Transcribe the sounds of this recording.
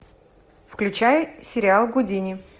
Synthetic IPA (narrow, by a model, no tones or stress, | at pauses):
fklʲʉt͡ɕajsʲɪɾʲɪalˠɡʊdʲinʲɪ